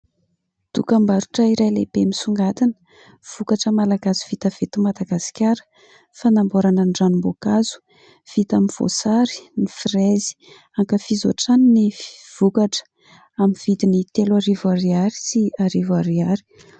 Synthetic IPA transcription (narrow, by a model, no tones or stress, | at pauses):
d̪̥ukambaɾuʈ͡ʂaiɾajlebemisuŋɡat̪inə̥ | v̥ukaʈ͡ʂəmalaɡaziv̥it̪əv̥et̪imad̪aɡasi̥kʲaɾə̥ | fanamboɾananɖ͡ʐanumbokazu̥ | v̥it̪aminv̥o̰saɾi̥nifrezi̥ | aŋkəfizoʈ͡ʂaninifv̥ukaʈ͡ʂə̥ | aminv̥it̪init̪elaɾivaɾiaɾi̥siaɾivaɾiaɾi̥